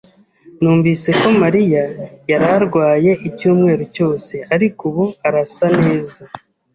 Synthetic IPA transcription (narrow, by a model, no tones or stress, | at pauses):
nuːɱviːse̞ko̞maɾijajaɾaɾɡwaːje̞ʔicuːmŋe̞ːɾoco̞ːse̞aɾikuβuaɾasane̞ːza